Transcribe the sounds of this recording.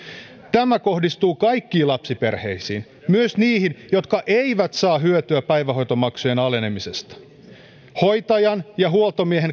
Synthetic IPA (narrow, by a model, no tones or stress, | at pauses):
t̪æmæko̞hdist̪uːkɑjkːiːlɑpsipe̞rhe̞̰jsiːn | myøsniːhinjot̪kɑʔeiʋæt̪sɑːɦyøt̪yæpæjʋæɦo̞jt̪o̞mɑksujenɑle̞ne̞mise̞st̪ɑ̥ | hojt̪ɑjɑnjɑɦuolt̪omieɦen